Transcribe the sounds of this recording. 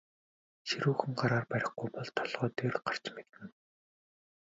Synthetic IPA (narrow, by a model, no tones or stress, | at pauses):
ʃiɾuːxɘ̆ŋɢaɾaːrpæɾʲɪ̆χɡʊjpɔɮt̪ʰɔɮʁɔːt̪eːrɢar̥t͡smet̪ɘ̆n